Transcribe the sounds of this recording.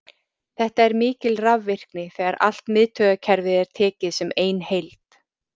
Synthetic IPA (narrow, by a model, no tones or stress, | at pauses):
θɛht̪aɛɾmɪːcɪlravːɪr̥knɪθɛːɣaɾʔa̰l̥t̪mɪðt̪ʰœːɣacʰɛɾvɪðɛɾ̥t̪ʰɛːcɪðsɛmeːjnhejlt̪